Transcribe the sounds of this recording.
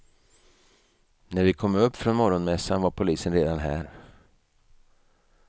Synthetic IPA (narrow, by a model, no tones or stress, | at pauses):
næɾvɪkʰɔmːɵpːfɾɔnmɔɾɔnmɛsːanvaɾpʰʊliːsənɾeːd̪anɦæ̰ːɾ